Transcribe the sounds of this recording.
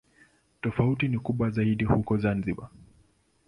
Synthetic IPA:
tɔfautinikuɓwazaiɗihukɔzanziɓa

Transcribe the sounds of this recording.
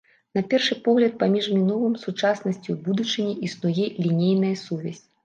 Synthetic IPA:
nɐpʲɛrʂɨpɔɣlʲɐt̪̚pamʲiʐmʲinɔvɨmsut͡ʂasnɐsʲt͡sʲubud̪ut͡ʂɨnʲiʔisnujɛlʲinʲejnɐjɐsuvʲɛ̰sʲ

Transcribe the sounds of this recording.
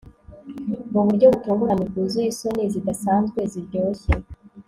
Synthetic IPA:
uβuɾɟo̞βufuːŋɡuɾamikuzujiso̞nizid̪asaːnzɡwe̞ziɾjɟoːse

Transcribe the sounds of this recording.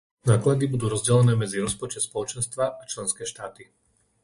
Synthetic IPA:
naːklad̪ibud̪uːɾɔzɟɛlɛnɛːmɛd͡ziɾɔspɔt͡ʃɛt̪spɔlɔt͡ʃɛnst̪ʋaʔat͡ʃlɛnskɛːʃt̪aːt̪i

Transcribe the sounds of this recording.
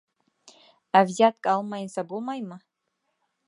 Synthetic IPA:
avzat̚ʰʼkʼalmajnsabulmajma

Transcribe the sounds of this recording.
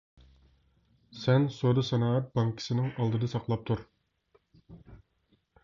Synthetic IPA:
sɛnsoɾusɛnɑːɑt̪̚bɑŋkʲʰi̥sɪnɪŋɑlˠd̪ɨd̪ɑsɑqlˠɑp̚t̪ʰuɾ

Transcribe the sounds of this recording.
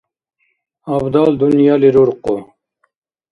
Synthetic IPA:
abd̪ɑːld̪unjɑːliɾuɾqo

